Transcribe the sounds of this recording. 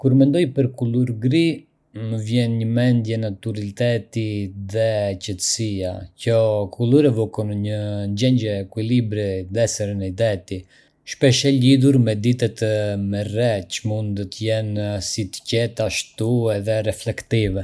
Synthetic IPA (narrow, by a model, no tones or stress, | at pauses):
kuɾmɛnd̪ɔjpəɾkuluɾɡɾi | məvjɛnɲəmɛnd̪jɛnat̪uɾalit̪ɛt̪iðɛcət̪ə̥siacɔkʰuluɾɛvɔkɔnɲəd͡ʒɛɲɟɛːkwilibɾɛd̪ɛsɛɾənɛd̪ɛt̪i | ʃpɛʃɛliðuɾmɛd̪it̪ɛt̪mɛrɛt͡ʃəmund̪d̪ɔt̪əjɛnsit̪ə̥cɛt̪aʃt̪uɛðɛɾɛflɛkt̪ivɛ